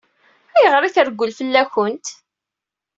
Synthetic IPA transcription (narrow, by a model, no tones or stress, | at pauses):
æjəʁɾiθəɾɡʷːʊlfəlːæçʊnt̪